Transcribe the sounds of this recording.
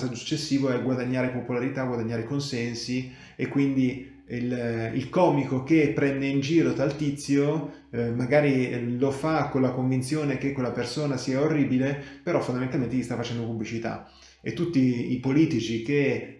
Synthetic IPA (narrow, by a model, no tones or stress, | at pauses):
st̪ad̪osu̥t͡ʃːesːiːvoɛɡwad̪aɲːaːɾepopolaɾit̪aɡwad̪aɲːaːɾekonsɛnsi | ekːwind̪i | ilḭlkɔːmikok̟epːɾɛnd̪eind͡ʒiːɾot̪alt̪it̪sːjo | maɡaːɾilofakːolakoɱvint̪sjoːnek̟ekːwelːapersoːnasiːaorːiːbilepeɾɔfond̪ament̪alment̪elist̪afːat͡ʃɛnd̪opublit͡ʃit̪a̰ | ḛt̪ːut̪ːiipoliːt̪it͡ʃik̟e